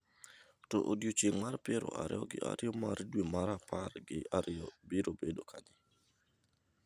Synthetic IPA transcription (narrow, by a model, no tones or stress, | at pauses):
tɔ̰ʔodjot͡ʃeŋmarpɪɾɔ̰aɾɪ̰ɔɡɪʔa̰ɾɪɔmaɾdwemaɾaparɡɪaɾɔbɪɾobedokʰaɲɪ